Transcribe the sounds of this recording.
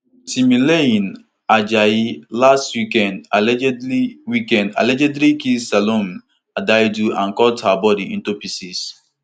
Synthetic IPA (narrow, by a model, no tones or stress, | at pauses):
simileĩn | ad͡ʒajilastwikɛ̃ndalɛd͡ʒɛdliwikɛ̃nda̰lɛd͡ʒɛdlikisalom | adajduã̰nkɔthabɔdiĩntupisis